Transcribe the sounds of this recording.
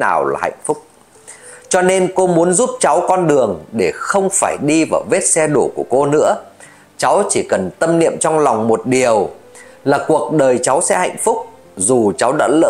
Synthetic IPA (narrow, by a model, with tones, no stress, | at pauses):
naː˨˩wla̰ː˨˩ha̰˧˨jŋ̟fʊ˦˥k͡p̚ | t͡ɕɔ˧ne˧nko˧mu˨˦ənzu˦˥p̚t͡ɕa˨˦wkɔ˧nɗɨ˨˩əŋɗe˧˩xə˧wŋ͡mfaː˧˩jɗi˧vaː˨˩wve˦˥t̚sɛ˧ɗo˧˩ku˧˩əko˧nɨ̰˧˥ə | t͡ɕa˨˦wt͡ɕi˧˩kə˨˩nt̪ə˧mnḭ˧˨əmt͡ɕɔ˧wŋ͡mla˨˩wŋ͡mmo˨˩t̚ɗi˨˩əw | laː˨˩ku˨˩ək̚ɗəː˨˩jt͡ɕa˨˦wsɛ̰˧˥ha̰˧˨jŋ̟fʊ˦˥k͡p̚ | zu˨˩t͡ɕa˨˦wɗa̰ː˧˥lə̰ː˧